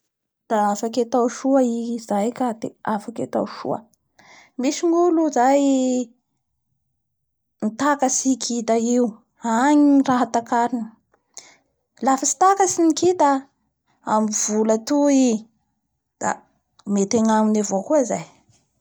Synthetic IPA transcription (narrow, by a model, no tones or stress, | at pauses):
d̪̥aafaket̪awʃuaizajkad̪̥ḛafaket̪a̰wʃṵə̰ | miʃiŋuluzaj | nit̪akasikʰit̪aiu | aɲiraɦat̪akaɾinə | lafasi̥t̪akasinikid̪a | amiv̥ulət̪ui | d̪̥a̰ | met̪eɲaminavokuazaj